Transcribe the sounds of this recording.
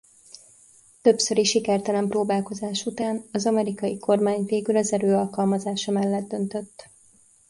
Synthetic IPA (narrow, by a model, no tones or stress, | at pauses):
t̪ø̞psø̞ɾiʃikɛrt̪ɛlɛmproːbaːlko̞zaːʃut̪aːnɒzɒmɛɾikɒjikʰo̞rmaːɲveːɡylɒzɛɾøːɒlkɒlmɒzaːʃɒmɛlːɛd̪ːø̞nt̪ø̞t̪ː